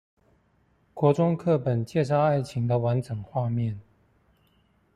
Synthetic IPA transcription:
kwɔ˧˥ʈ͡ʂʊ˥ŋkʰɤ˥˩pə˨˩nt͡ɕjɛ˥˧s̬ɑ˥˧ʊa˥˩ɪt͡ɕʰi˧˥ŋd̪ə˧wa˧˦˥nʈ͡ʂɤ˨˩ŋxwa˥˧mjɛ˥˨n

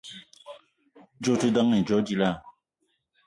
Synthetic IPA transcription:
d͡ʒo˦te˦da˦ŋe˨d͡ʒɔ˦d͡ʒi˦la˦˨

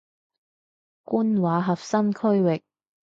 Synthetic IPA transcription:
kuː˥nwaː˨˧ɦɐ˨p̚sɐ˥mkʰɵ˥ɥwɪ˨k̚

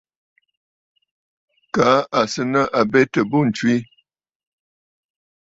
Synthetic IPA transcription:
ka˨˦a˨sə˦nə˦ʔa˨bɛ˦tə˨bo˦˨n̩˨t͡ʃwi˦

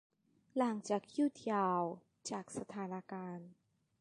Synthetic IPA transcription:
la˩˦ŋt͡ɕaː˨˩k̚juː˥˩t̪ʰjaː˧w | t͡ɕaː˨˩k̚sa˧t̪ʰaː˩˦na˧kaː˧n

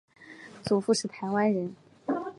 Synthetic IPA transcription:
t͡su˨˩fu˥˧ʂɻ̩˥˩t̪ʰa˧˥ɪwa˥nɻə˧˥n

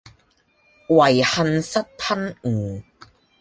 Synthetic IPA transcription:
wɐ˨˩jhɐ˧nsɐ˥t̚pʰɐ˥nŋ̩ː˨˩

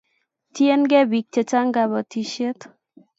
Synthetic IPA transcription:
tje˦nɡɛ˦bi˨k̚t͡ʃe˨t͡ʃa˦ŋɡa˨bɔ˨ti˦ʃe˦t̪

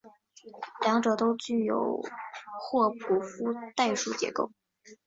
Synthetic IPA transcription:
ljɑ˧˥ŋʈ͡ʂɤ˨˩t̪o˥ʊt͡ɕy˥˩jo̰˨˩ʊxwɔ˥˩pʰu˨˩fu˥t̪a˥˧ɪʂu˥˩t͡ɕjɛ̰˧˥ko˥˩ʊ

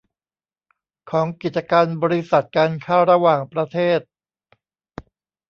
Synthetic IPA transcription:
kʰɔː˩˦ŋki˨˩t̪̚t͡ɕa˧kaː˧nbɔː˧ɾi˦˥sa˨˩t̪̚kaː˧nkʰaː˥˩wɾa˧waː˨˩ŋpɾa˧t̪ʰeː˥˩t̪̚

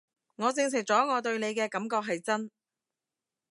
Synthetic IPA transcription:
ŋɔː˨˧t͡sɪ˧ŋsʰɪ˨˩k̚t͡sɔː˨˥ŋɔː˨˧t̪ɵ˧ɥne˨˧jkɛː˧kɐ˨˥mkɔː˧k̚ɦɐ˨jt͡sɐ˥n

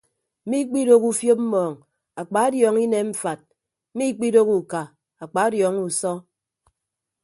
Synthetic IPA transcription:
mi˦k͡pi˦ɾo˦ku˦fjo˦p̚m̩˦mɔː˨ŋ | a˨k͡pa˨˦djɔː˨ŋi˦ne˨m̩˦fa˨t̚ | m̩˦mi˦k͡pi˦do˦ku˨ka˨ | a˨k͡pa˨˦a˦djɔ˨˦ŋu˨sɔ˦

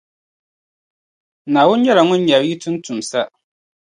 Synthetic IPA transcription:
naː˨wʊ˦n˦ɲɛ˦la˨ŋʊ˦n˦ɲa˨bi˦tɨ˦n˦tu˨m˨sa˦

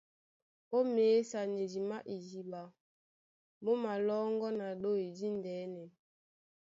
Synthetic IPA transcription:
o˦meː˨˦sa˨ɲe˨d͡ʒi˨ma˦ʔi˨d͡ʒi˨ba˨ | mo˦ma˨lɔ˦ŋɡɔ˦na˨ɗo˦i˨di˦ndɛː˨˦nɛ˨

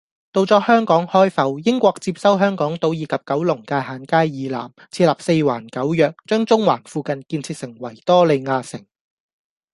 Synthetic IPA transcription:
t̪o˧wt͡sɔː˨˥hœː˥ŋkɔː˨˥ŋhɔː˥jfɐ˨˧wjɪ˥ŋkʷɔː˧k̚t͡siː˧p̚sɐ˥wɦœː˥ŋkɔː˨˥ŋt̪o˧wjiː˨˧kʰɐ˨p̚kɐ˨˥wlʊ˨˩ŋkaː˧haː˨˧nkaː˥jjiː˨˧la̰ː˨˩mt͡sʰiː˧laː˨p̚se˧jwa̰ː˨˩nkɐ˨˥wjœː˨k̚t͡ʃœː˥ŋt͡sʊ˥ŋwaː˨˩nfuː˧kɐ˨˧nkiː˧nt͡sʰi˧k̚sɪ˨˩ŋwɐ˨˩jt̪ɔː˥le˨˧jŋaː˧sɪ˨˩ŋ

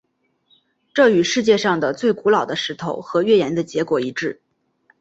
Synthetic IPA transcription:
ʈ͡ʂɤ˥˩y˨˩ʂɻ̩˥˧t͡ɕjɛ˥˧ʂɑ˥˩ŋd̪ə˩t͡swe˥˩ɪku˧˥lɑ˨˩ʊd̪ə˦ʂɻ̩˧˥t̪ʰo˧˩ʊxɤ˧˥ɥɛ˥˩jɛ˧˥nd̪ə˧t͡ɕjɛ˧˥kwɔ˨˩i˧˥ʈ͡ʂɻ̩˥˩

